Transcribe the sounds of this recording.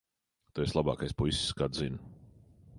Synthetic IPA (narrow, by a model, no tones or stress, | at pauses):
t̪ueslˠaba̰ːkajspusʲskad̪zin